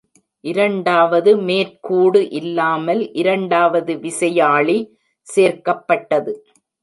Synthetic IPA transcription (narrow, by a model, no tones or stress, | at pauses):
ʔɪɾɐɳɖaːʋɐðɯmeːɾkuːɽɯʔɪlːaːmɐlʔɪɾɐɳɖaːʋɐðɯʋɪsɐjaːɭi | seːɾkɐpːɐʈːɐðɯ